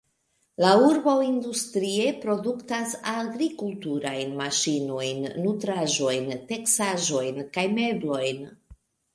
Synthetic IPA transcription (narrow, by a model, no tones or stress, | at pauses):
lauɾbowindustɾie̞pɾoduktasaɡɾikultuɾajnmaʃino̞jnːutɾaʒo̞jnte̞ksaʒo̞jnkajme̞blo̞jn